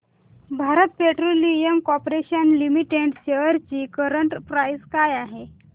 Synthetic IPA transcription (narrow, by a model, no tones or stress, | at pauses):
bʱaɾət̪̚peʈɾolijəmkɔpɾeɕənlimiʈeʈɕeʋəɾt͡ɕiːkəɾəɳʈpɾajzkajaɦe